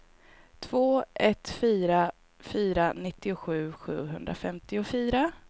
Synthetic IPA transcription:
t̪ʰv̥oːʔɛt̪fyːɾa | fyːɾanɪt̪ːɪʊɧʉ̟ːɧʉ̟ːɦɵnd̪ɾa̰fɛmt̪ɪʊfyːɾa

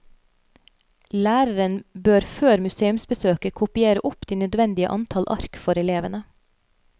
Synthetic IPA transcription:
læːɾəɾənbøːɾføːɾmʉseːʉmsbəsøːkəkʰʊpɪeːɾəʔʊpd̪̥iːnœd̪ʋɛnd̪ɪə̰ʔɑ̰nt̪ʰɑlʔɑ̰ɾkfɔɾɛleːʋənə

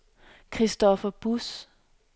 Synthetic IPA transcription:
kʰʁisd̥ɒfɐb̥us

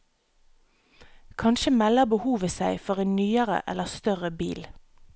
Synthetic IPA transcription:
kʰɑnʃəmɛləbəhuːʋəsæɪfɔʁeːnnyːəʁə̰ʔɛ̰ləst̪œʁəbḭːl

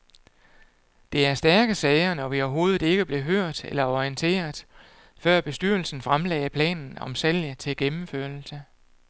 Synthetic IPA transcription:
d̥e̝æɐsd̥æɐɡ̥əsɛɪɐnɒʋiɒʊɐɦo̝ːð̞̩ˠe̝ɡ̥əb̥le̝ɦøɐ̰d̥ḛlɐɒiənt͡sʰe̝̰ːɐð̩ˠ | fɶɐ̰b̥e̝sd̥yɐ̰l̩sn̩fʁamlɛ̰ːɪpʰlɛ̰ːnn̩ɒ̽msel̰jət͡sʰe̝lɡ̥emm̩føɐ̰ɐl̩sə

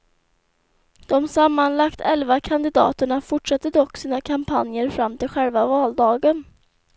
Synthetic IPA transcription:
d̪̥ɔmsamːanlakt̪ʰɛlvakʰand̪ɪd̪ɑ̰ːt̪əɳafʊʈʂat̪ːəd̪ɔkːsiːnakʰampʰanjəɾfɾamːt̪ʰɪlɧɛlvavɑːld̪ɑːɡən

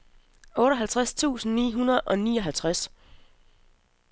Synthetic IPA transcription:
ɔ̽ːɾɒɦælt͡sʰʁast͡sʰṵːsn̩nḭːɦunɐð̩ˠʔɒ̽niːɒ̽ɦælt͡sʰʁas

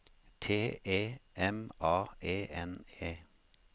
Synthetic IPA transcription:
t̪ʰeːʔeːɛmʔɑːeːɛneː

